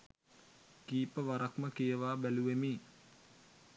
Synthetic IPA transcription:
kiːpəʋaɾakməkejəʋaːbæluʋemiː

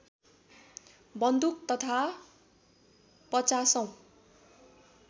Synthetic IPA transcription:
bʌnd̪uk̚t̪ʌt̪ʰa | pʌt͡sasʌ̃w̃

